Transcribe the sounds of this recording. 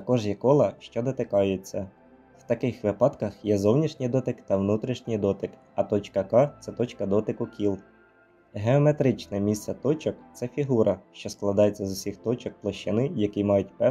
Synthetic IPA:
t̪ɐkɔʒjɛkɔlˠɐʃt͡ʃɔd̪ɔt̪ɪkɑjet͡sʲːɐ | w̥t̪ɐkɪxʋɪpɑd̪kɐxjɛzɔwnʲiʃnʲijd̪ɔt̪ɪkt̪ɐʋnut̪ɾʲiʃnʲɪjd̪ɔt̪ɪk | ɐt̪ɔt͡ʃkɐkɑt̪sɛt̪ɔt͡ʃkɐd̪ɔt̪ɪkʊkʲilˠ | ɦe̞ɔme̞t̪ɾɪt͡ʃnɛmʲist̪sɛt̪ɔt͡ʃɔkt̪sɛfʲiɦuɾʔɐʃt͡ʃɔsklˠɐd̪ɑjet͡sʲːɐzʊsʲixt̪ɔt͡ʃɔk̚plˠɐʃt͡ʃɪnɪjɐkimɑjʊtʲpɛ

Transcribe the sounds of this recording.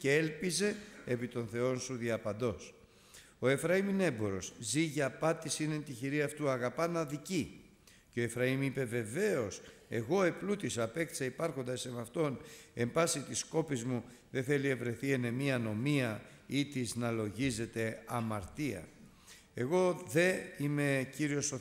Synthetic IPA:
ceelpize̞ːpit̪o̞nθe̞o̞nsuðiɐpɐnd̪o̞s | o̞e̞fɾɐimine̞bo̞ɾo̞sziʝɐːpɐt̪isinent̪içiɾiɐft̪uɐɣɐpɐnɐðici | ceo̞e̞fɾɐimipe̞ve̞ve̞o̞se̞ɣo̞eplut̪isɐpe̞kt̪i̥sɐipɐɾxo̞nd̪ɐsemɐft̪o̞ne̞mbɐsit̪isko̞pizmu | ðe̞θe̞lie̞vɾe̞θiene̞miɐno̞miɐ | it̪iznɐlo̞ʝize̞t̪e̞ɐmɐɾt̪iɐ̰ | e̞ɣo̞ðe̞ime̞ciɾio̞so

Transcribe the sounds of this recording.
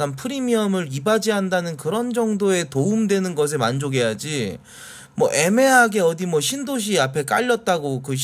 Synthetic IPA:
anpʰɯɾimiʌmɯɾibad͡ʑiɦandanɯnkɯɾʌnd͡ʑʌŋdoe̞toumdwe̞nɯnɡʌs̬ʰe̞mand͡ʑoɡe̞jad͡ʑi | mwʌʔe̞me̞ɦaɡe̞ʌdimwʌɕʰindoɕ̬ʰiapʰe̞k͈a̰ʎːʌt̚t͈aɡokɯɕ

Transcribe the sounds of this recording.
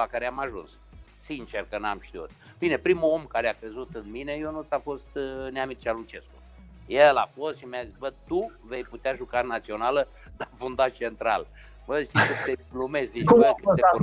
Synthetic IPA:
lakaɾeamaʒṵns | sint͡ʃerkəna̰mʃt̪iṵt̪̚ | b̥ine̞pɾimuo̞mkaɾeakɾe̞zut̪ɨnmine̞jonut̪sʲafo̞st̪neamit͡ʃalut͡ʃe̞sku | jelafo̞st̪ʃimʲjazitsʲbət̪uve̞jput̪eaʒukanat̪sio̞nalə | d̪afund̪at͡ʃe̞nt̪ɾa̰l | bəʃikɨt̪elumezziʃakɨt̪e

